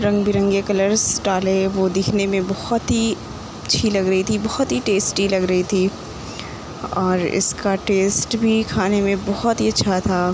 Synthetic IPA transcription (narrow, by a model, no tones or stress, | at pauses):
ɾɐ̃ŋɡbʱiɾə̃ŋɡekɐləɾsʈaːleʋod̪ɪkʰnemẽbɔhʊt̪ɦi | ɐtːʃʰilɐɡɾɐɦit̪ʰibɔɦʊt̪ɦiʈeːsʈilɐɡɾɐɦit̪ʰiː | ɔːɾɪ̰skaʈeːsʈbʱikʰaːnemẽbɔɦɔt̪ɦiɐtːʃʰat̪ʰaː